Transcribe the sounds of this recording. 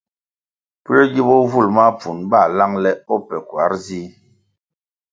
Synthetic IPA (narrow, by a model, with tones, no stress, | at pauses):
pu˦ɾɔ˦ɡi˦bɔ˦vu˦˨lma˦p͡fu˨nba˦˨la˦ŋlɛ˦ɔ˦pɛ˨kwa˨˦ɾzi˦